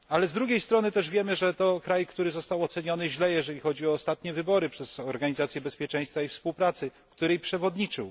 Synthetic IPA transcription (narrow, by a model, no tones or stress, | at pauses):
alɛzd̪ɾuɡʲjejst̪ɾɔnɘt̪ɛʐvʲjɛmɘʐɛt̪ɔkɾajkt̪uɾɘzɔst̪awɔt̪sɛɲɔnɘʑlɛjɛʐɛlʲixɔd͡ʑiɔːst̪at̪ɲɛvɘbɔɾɘpʂɛz̥ɔɾɡaɲizat̪sʲjɛbɛspʲjɛt͡ʂɛ̃j̃st̪faifspuwpɾat̪sɘ | kt̪uɾɛjpʂɛvɔd̪ɲit͡ʂɘ̰w